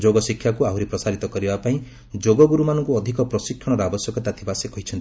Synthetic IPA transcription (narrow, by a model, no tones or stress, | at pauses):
d͡ʒoɡɔsikʰːjakuaɦwɾepɾɔsaɾit̪ɔkɔɾibapaĩ | d͡ʒoɡɔɡuɾumanɔŋkuɔd̪ʱikɔpɾɔsikʰːjɔɽ̃ɔɾabɔsjɔkɔt̪at̪ʰibasekɔɦit͡ʃʰɔnt̪i